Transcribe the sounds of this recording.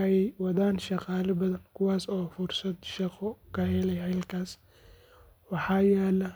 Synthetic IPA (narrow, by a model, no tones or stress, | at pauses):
ɛɛjwɑðaːnʃɑqɑːlɐbɐðɐnkʰʊwɑːsɔːfʊrsɐd̪ʃɑqɔkʰɐhɛlɛjɦɛlkʰaːs | wɑħɑːjɛːlɐ